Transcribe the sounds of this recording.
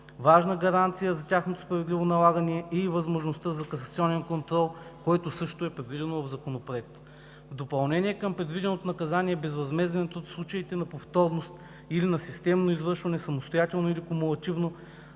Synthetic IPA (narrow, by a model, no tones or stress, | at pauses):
vaʒnəɡɐɾant̪sijəzɐtʲaxnot̪o̥spɾɐvɛd̪livonɐlˠaɡɐnɛɛivɐzmoʒnost̪əzɐkɐsɐt̪siɔnɛnkont̪ɾɔlˠkoɔɛt̪osɤʃt̪oɛpɾɛd̪vid̪ɛnovɐvzɐkonopɾoɛk̚t̪ə̥ | vd̪opɐlˠnɛnʲiɛkəmpɾɛd̪vid̪ɛnot̪onɐkɐzaniɛbɛzvɐzmɛzd̪ɛnɛt̪ot̪slˠut͡ʃɐit̪ɛnɐpoft̪ɔɾnost̪ | ilinɐsist̪ɛmnoizvɤɾʃvɐnɛsɐmost̪ojat̪ɛlˠnoilikomulˠɐt̪ʲivno